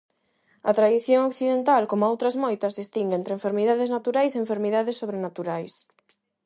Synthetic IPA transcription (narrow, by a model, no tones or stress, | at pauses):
ɐ̰t̪ɾaðiθjoŋokθiðent̪alkomʊowt̪ɾɐzmojt̪ɐzðist̪iŋɡent̪ɾẽɱfeɾmiðaðeznat̪uɾajseeɱfeɾmiðaðesːoβɾenat̪uɾajs